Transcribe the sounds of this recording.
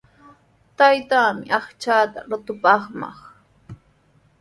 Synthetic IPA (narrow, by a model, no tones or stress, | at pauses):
t̪ajt̪aːmɪʔɑχt͡ʃaːt̪a̰ɾʊt̪ʊpɑχmɑ̰χ